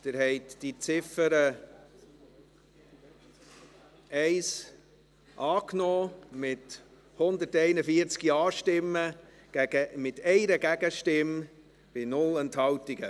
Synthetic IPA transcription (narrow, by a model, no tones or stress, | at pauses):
t̪ɪɾɦɛɪt̪d̥it͡sɪfəɾə | ɛɪs | ʔɑːknɔːmɪt | hʊnd̪əɾtɛɪnəfiəɾt͡skiɑːʃtɪmːə̥ | æɡəmɪtʰɛɪɾəɡæɡ̥əʃtɪm | b̥ɪnʊlɛnthɑwtiɡ̥ə